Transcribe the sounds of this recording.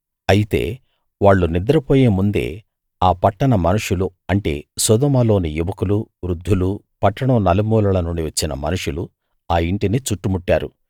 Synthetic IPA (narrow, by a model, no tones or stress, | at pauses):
ɐjit̪e̞̰ː | ʋaːɭːunid̪ɐɾɐpoːjeːmund̪e̞̰ː | aːpɐʈːɐɳɐmɐnuʂuluɐɳʈe̞̰ːsɔd̪ɐmɐlo̞ːnijuʋɐkuluʋɾud̪ʱːulu | pɐʈːɐɳɐmnɐlimuːlɐlɐnuɳɖiʋɐt͡ʃːinɐ̰mɐ̰nuʂulu | aːiɳʈinit͡ʃuʈːumuʈːa̰ːɾṵ